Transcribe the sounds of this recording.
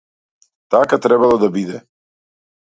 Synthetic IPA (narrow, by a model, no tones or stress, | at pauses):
t̪akat̪ɾɛbalˠɔd̪abid̪ɛ